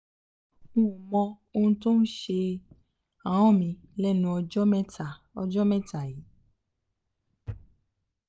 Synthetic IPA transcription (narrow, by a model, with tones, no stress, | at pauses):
ũ˦ũ˨mɔ̃˧ | o˧nũ˧to˦n̩˦ʃe˧ | ã˨w̃ɔ̃˦˨mĩ˧lɛ˦˨nũ˧ɔ˧d͡ʒɔ˦mɛ˦ta˦˨ | ɔ˧d͡ʒɔ˦mɛ̃˦ta˦˨ji˨˦